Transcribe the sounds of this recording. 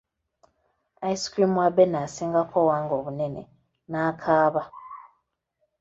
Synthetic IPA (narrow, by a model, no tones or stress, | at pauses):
aiskɾimwabenasiːŋɡakʰowaːŋɡo̞βune̞nḛ | naːkʰaːβa